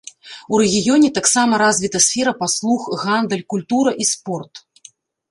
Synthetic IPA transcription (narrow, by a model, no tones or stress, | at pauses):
uɾɛɣʲijɔnʲɛt̪aksamɐɾazʲvʲit̪ɐsʲfʲɛɾɐpaslˠuxɣand̪əlʲkulʲt̪uɾɐʔispɔrt̪